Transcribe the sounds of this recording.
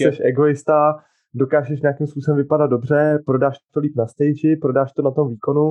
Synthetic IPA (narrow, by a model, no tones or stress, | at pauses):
sɛʃʔɛɡo̞ɪst̪a | do̞kaːʒɛʃ̬ɲeakiːmspuːsɛmvɪpadad̪̚dobr̝ɛpɾo̞daːʃt̪t̪oliːpnast̪ɛjd͡ʒɪpɾo̞daːʃt̪o̞nat̪o̞mviːko̞nu